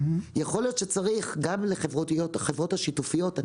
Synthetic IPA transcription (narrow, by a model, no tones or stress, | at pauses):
jeχo̞ljo̞t̪ʃet͡saʁiχɡamleχevʁotiotχevʁo̞thaʃitufijo̞ta